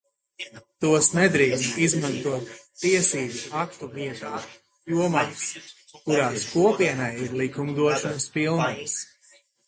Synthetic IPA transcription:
t̪uɔsnɛd̪ɾiːksmizmant̪uɔt̪ːiɛsiːbuakt̪uviɛt̪aː | juɔmaːs | kuɾaːskuɔpiɛnajiɾlˠikumd̪uɔʃɔnspilˠnajs

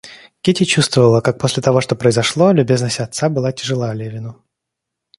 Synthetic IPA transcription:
kʲetʲɪt͡ɕust̪vəvəlˠəkak̚po̞sʲlʲɪt̪ɐvo̞ʂt̪o̞pɾəɪzɐʂlˠo̞lʲʉbʲe̞znəsʲtʲɐt̪sabɨlˠatʲɪʐɨlˠalʲevʲɪnʊ

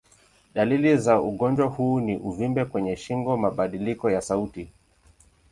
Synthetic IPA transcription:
ɗalilizauɠɔnd͡ʒwahuːniʔuvimbɛkwɛɲɛʃiŋɡɔmaɓaɗilikɔjasauti

